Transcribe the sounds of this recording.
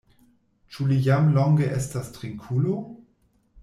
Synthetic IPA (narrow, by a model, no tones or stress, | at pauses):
t͡ʃulijamlɔŋɡeʔestastʁiŋkʰulo